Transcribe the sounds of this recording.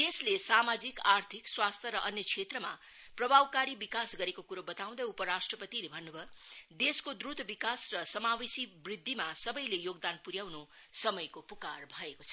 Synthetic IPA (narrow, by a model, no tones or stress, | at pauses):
d̪eslesamad͡zikart̪ʰikswast̪ʰʌɾʌʔʌnjʌkʰet̪rʌma | prʌbʱawkaɾibikasɡʌɾekokuɾobʌt̪aw̃d̪ʌupʌɾasʈrʌpʌt̪ilebʱʌnːubʌd̪eskod̪ɾud̪bikasrʌsʌmawisibrid̪ʱːimasʌbʌjlejoɡd̪anpuɾjawno | sʌmʌjkopukarbʱʌekot͡sʰʌ